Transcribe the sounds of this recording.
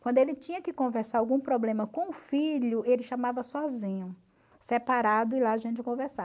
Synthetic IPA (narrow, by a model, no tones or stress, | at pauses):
kwɐ̃nd̪ʊelɪt͡ʃĩɲɐkɪkõvɛɾsaɾawɡũpɾɔblẽmɐkõʊfiʎʊelɪʃamavɐsɔzĩɲʊ | sepaɾad̪ʊɪlaaʒẽnt͡ʃɪkõvɛɾsa